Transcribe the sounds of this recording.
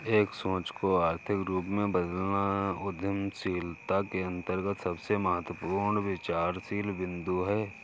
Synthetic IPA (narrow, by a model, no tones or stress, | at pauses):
eːksõːt͡ʃkoaːɾt̪ʰɪkɾuːpmẽbəd̪əlnaʊd̪ʱjəmsiːlt̪akeə̃nt̪əɾɡət̪sɐbseməɦət̪wəpuːɾɳʋɪt͡ʃaːɾsiːlʋɪ̃nd̪uɦɛː